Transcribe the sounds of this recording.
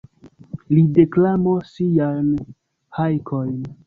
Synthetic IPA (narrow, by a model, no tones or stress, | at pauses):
lide̞klamosijajn | hajkʰojn